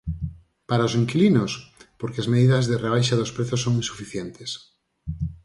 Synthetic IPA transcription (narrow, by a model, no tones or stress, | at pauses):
paɾaoseŋkilinospoɾkeazmeðiðazðereβ̞ajʃaðospɾeθosːoŋĩnsu̥fiθjent̪e̥s